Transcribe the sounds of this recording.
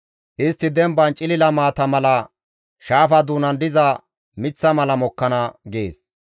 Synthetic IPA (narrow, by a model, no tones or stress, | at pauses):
ʔɪst̪ːɪd̪ɛmbɐnt͡ʃʼɪlɪlɐmaːt̪ɐmɐlɐ | ʃaːfɐd̪uːnɐnd̪ɪzɐ | mɪt͡sːɐmɐlɐmɔkːɐnɐɡḛːs